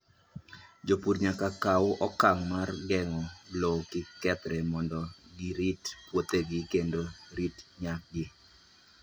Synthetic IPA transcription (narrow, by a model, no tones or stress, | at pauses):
d͡ʒopuɾɲakakawʊʔɔkaŋmarɡɛŋɔlokɪkɛt̪ɾɛmɔndɔɡiɾitpwot̪eɡɪkendoɾitɲak̚ɡɪ